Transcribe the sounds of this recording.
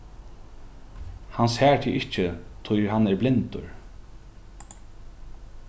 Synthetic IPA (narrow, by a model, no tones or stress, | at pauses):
hanshɛːɹt̪ʰiːʔɪht͡ʃːɪt̪ʰʊjɦanɛɹblɪnt̪ʊ̰ɹ